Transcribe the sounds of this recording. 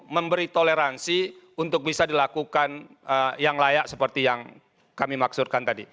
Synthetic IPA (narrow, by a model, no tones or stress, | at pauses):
məmbəɾit̪oleɾansi | unt̪ʊk̚bisadilakukan | əjaŋlajaʔsəpərt̪ijaŋ | kamimaksut̪̚kant̪adi